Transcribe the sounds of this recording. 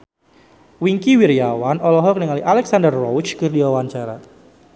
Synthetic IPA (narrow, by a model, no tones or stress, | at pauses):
wiŋkiwiɾijawanɔlɔɦɔk̚nəŋaliʔalɛksandərːɔwt͡ʃkɨrdiwawaɲt͡ʃaɾa̰